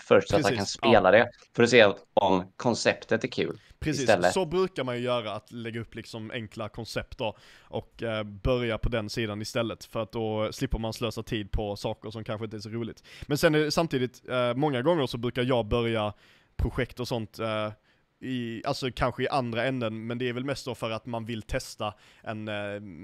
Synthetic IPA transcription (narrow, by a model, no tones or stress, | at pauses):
fœʂʈsatɾsaiːkaaspeːlad̪ɛ | fœɖʊsɛːaɔmkʰɔnsɛpt̪ət̪æɾkʰʉ̟̰ːl | pʰɾɛssiːst̪ɛlːəsɔbɾʉ̟ːkaɾmanjɵjœːɾaːt̪lɛɡːaɵpːlɪksɔmʔɛ̰ŋklakʰɔnsɛp̚t̪dɔʔɔkbœɾjapʰɔd̪ɛnsiːd̪anɪst̪ɛlːət̪fœɾat̪̚d̪ɔslɪpːəɾmansløːsat̪ʰiːd̪̚pʰɔsɑːkəɾʂɔmkʰanɧəɪnt̪əæʂs̬ɔɾuːlɪt̪mɛnsɛnɛɖɛsamt̪iːd̪ɪt̪mɔŋːaɡɔŋːəɾʂɔbɾʉ̟ːkaɾjɑːbœɾja | pʰɾʊɧɛkt̪ɔsɔnt̪ | ɪalsɔkʰanɧəɪʔand̪ɾaɛnd̪ənmɛnd̪ɛæɾvɛlmɛst̪̚d̪ɔfœɾat̪manvɪlt̪ʰɛst̪aʔɛn